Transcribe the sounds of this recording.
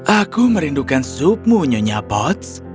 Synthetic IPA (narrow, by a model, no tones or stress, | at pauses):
ʔakuməɾindukansup̚muɲoɲabɔt̪s